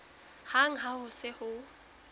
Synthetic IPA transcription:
haŋ̩ɦahʊsɪhʊ

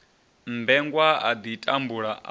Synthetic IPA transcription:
mbɛŋɡwaa̰d̪itʼambuɺaʔ

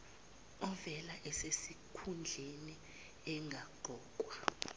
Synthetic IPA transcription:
ɔvɛlaʔɛsesikʰund͡ɮʱeni | ɛŋɡʱaɡ͡ǃʱɔːkʼwa

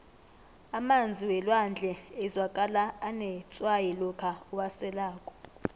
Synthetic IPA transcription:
amand͡zʱiwɛlwand͡ɮʱɛːzwakʼalaːnɛt͡sʼwajɛlɔkʰauwasɛlaːkʼɔ̥

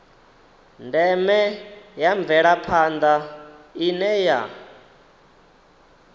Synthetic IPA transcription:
ndɛmɛjaɱb̪vɛɺapʰand̪ainɛja

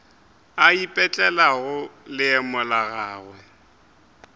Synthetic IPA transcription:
aipʼɛt͡ɬʼɛlaɣʊlɪɛmʊlaɣaːɣwɛ

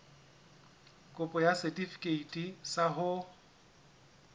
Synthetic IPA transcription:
kʼʊpʼɔjasɛtʼifi̥kʼeitʼisaɦʊ

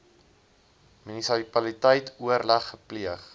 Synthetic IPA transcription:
minisipɐlitəjtʰuəɾlɐχːəpliəχ

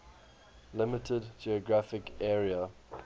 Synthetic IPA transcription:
lɪmɪtʰədd͡ʒiɔɡɹafɪkɛːɹiə

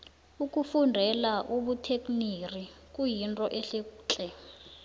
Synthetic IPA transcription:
ukʼufundʱɛlaʔuɓutʰek̬ʼnirikʼujintʼɔʔɛɬeku̥ːt͡ɬʼɛ

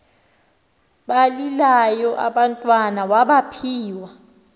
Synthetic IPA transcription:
ɓalilajɔʔa̰ɓantʼwanawaɓapʰiːwa

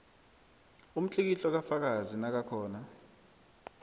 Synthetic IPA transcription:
um̩t͡ɬʼik̬iɬɔk̬afak̬azinak̬akʰɔːna

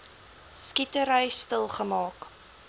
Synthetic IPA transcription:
skitəɾəjstəlˠχəmɑːk

